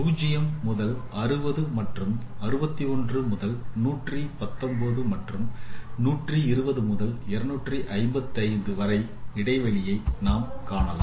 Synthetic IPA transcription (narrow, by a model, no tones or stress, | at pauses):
uːd͡ʒɪjɐmːʊðɐlʔɐrɯbɐðɯmɐʈrɯmɐɾɯbɐt̪ːiɔndrɯmʊðɐlnuːʈripɐt̪ːɔmbɐðɯmɐʈrɯmnuːʈriɪɾɯbɐðɯmʊðɐlɛɾɐnuːʈriʔɐɪmbɐt̪ːɐɪnd̪ɯʋɐɾɐɪ | ɪɽɐɪʋɐɭɪjɐɪnaːmkaːɳɐla̰ː